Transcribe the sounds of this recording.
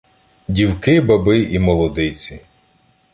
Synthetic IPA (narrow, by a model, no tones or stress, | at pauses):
dʲiwkɪbɐbɪimɔlˠɔd̪ɪt͡sʲi